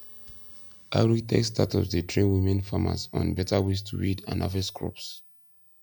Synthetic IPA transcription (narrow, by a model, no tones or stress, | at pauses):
ʔaɹitɛ̰kstʰatɔzðətʰɹẽnwimɛ̃nfama̰zɔ̰̃nbɛtʰawestʰuwidã̰nʔa̰vɛskʰɹɔ̰ps